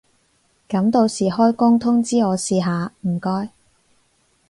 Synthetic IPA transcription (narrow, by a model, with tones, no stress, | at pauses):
kɐ˨˥mt̪o˨˧wsiː˨˩ɦɔː˥jkʊ˥ŋt̪ʰʊ˥ŋt͡siː˥ŋɔː˨˧siː˧ɦaː˨˧m̩˨˩kɔː˥j